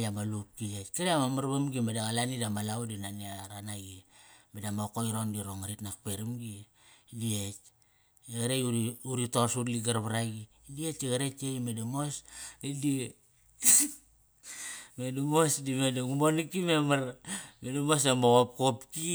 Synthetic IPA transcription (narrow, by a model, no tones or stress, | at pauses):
amalup̚kietkeɾiamamaɾbamɡimedaɣalanidamalawdinaniaɾanaɡimedamokoiɾondiɾoŋaɾitnak̚peɾimɡi | diet͡ʃ | eɣaɾejuuɾitosutliɡaɾβaɾaɡi | diet͡ʃeɣaɾet͡ʃeimedamosidi | medumosdimedaɡumonikimemaɾmedamosamoɣop̚kopki